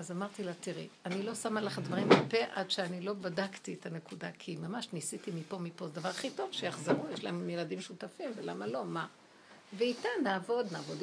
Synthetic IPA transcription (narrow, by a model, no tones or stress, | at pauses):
azamaʁt̪ilat̪iʁianilo̞samalaχd̪vaʁimʁape̞ʔadʃeanilo̞badaktiet̪ʰane̞kudakʰimamaʃnisit̪imipo̞mipo̞d̪avaʁaχito̞vʃejaχzaʁujeʃlaemjladimʃut̪afimvelamalo̞ma | veit̪anaːvo̞d̪naːvod